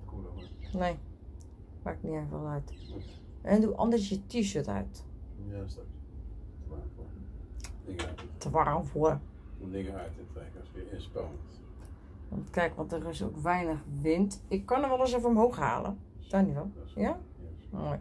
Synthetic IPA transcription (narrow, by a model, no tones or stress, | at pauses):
kuneː | pakniɛfʋɛ̰lˠœɥt | ʔɛnduʔɔ̰ndəsjətiʃøːtœ̰ɥt | tʰʋarlˠfuə | dɪŋəratətɛkskɪɪnspɑnət | ʋɔ̰ntkɛjkʋɔntərɪso̰ːkʋɛjnəxʋɪntɪkːɔnəʋɛlˠɪs̬ofəomɦoːxha̰ːlˠə̰d̥aniʋɛlˠjamo̰j